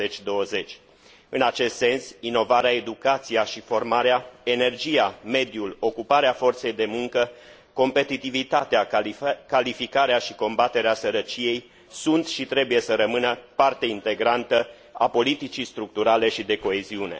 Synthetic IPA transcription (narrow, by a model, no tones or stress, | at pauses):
et͡ʃʲd̪o̞əze̞t͡ʃʲ | ɨnat͡ʃe̞st̪se̞nsino̞vaɾeae̞d̪ukat̪sijaʃifo̞rmaɾeae̞ne̞rd͡ʒijame̞d̪julo̞kupaɾeafo̞rt̪se̞jd̪e̞muŋkə | ko̞mpe̞t̪it̪ivit̪at̪eakalifikaɾeaʃiko̞mbat̪e̞ɾeasəɾət͡ʃije̞j | sunt̪ʃit̪ɾe̞buje̞səɾəmɨnəpart̪e̞int̪e̞ɡɾant̪ə | a̰po̞lit̪it͡ʃijst̪ɾuk̚t̪uɾale̞ʃid̪e̞ko̞e̞ziune̞̰